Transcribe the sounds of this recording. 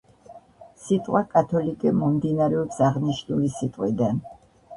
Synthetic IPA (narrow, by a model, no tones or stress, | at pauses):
sit̪ʼqʼwakʼat̪ʰɔlikʼɛmɔmd̪inaɾɛɔpsaʁniʃnulisit̪ʼqʼwid̪an